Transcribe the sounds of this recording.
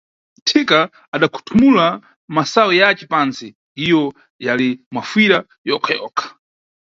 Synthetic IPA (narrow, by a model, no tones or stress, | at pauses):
tʰikaː | ɗakʰu̥tʰumula | masawɛjat͡ʃɛpansi | ijɔ | jalimafwiɾa | jɔkʰajɔ̰ːkʰḁ